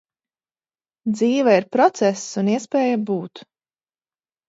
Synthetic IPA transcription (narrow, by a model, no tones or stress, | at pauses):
d̪ziːvaiɾpɾɔt̪sɛsːuniɛspɛːjabuːt̪